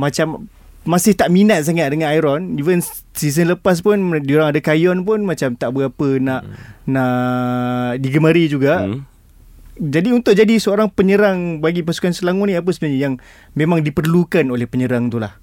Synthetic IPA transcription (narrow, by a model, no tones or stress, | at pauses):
mat͡ʃam | mãsɪht̪aʔminat̪̚s̬aŋat̪̚dəŋanajɾɔnivən | sis̬ənləpas̬pʊndioɾaŋadakajɔnp̬ʊnmãt͡ʃamt̪aʔbəɡapənaʔnaʔ | diɡəmaɾid͡ʒuɡa | d͡ʒadiunt̪ʊʔd͡ʒadisəoɾaŋpəɲəɾaŋbaɡip̬asu̥kansəlaŋʊnĩap̬əsəbənaɲajaŋ | mẽmãŋdipərlukanolɛhpəɲəɾaŋt̪ulah